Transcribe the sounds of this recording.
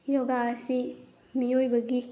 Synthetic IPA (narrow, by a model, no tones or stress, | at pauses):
jɔɡaɐsi | miojbɐɡi